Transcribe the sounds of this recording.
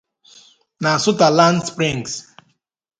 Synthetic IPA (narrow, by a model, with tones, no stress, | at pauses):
na˨sʊ˦ta˨la˦ndspɾĩ˦˨ŋs